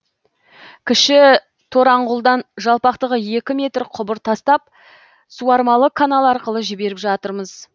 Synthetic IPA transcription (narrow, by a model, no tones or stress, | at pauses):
kʲʰɪʃɪ | t̪ʰo̞ɾɑɴʁʊlˠd̪ɑnʒɑlˠpɑqt̪əʁəje̞kʲɪme̞t̪ɾqʰʊbəɾt̪ʰɑst̪ɑp̚ | suɑɾmɑlˠəkʰːanalˠɑɾqəlˠəʒɪbe̞ɾɪpʒɑt̪əɾməz